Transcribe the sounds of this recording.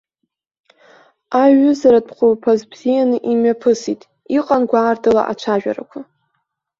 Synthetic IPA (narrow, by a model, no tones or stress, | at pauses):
aʒʊzaɾad̚pʰχʷulpʰazbz̥ijanɨʔimɥapʰɨsitʼ | iqʼanɡʷaːrdɨla̰ʔa̰t͡ʃʷʰaʒᶣa̰ɾa̰kʷʰa